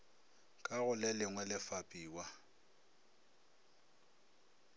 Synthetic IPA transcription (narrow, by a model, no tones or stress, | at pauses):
kʼaɣʊlɛlɪŋwɛlɪfapʼiːwa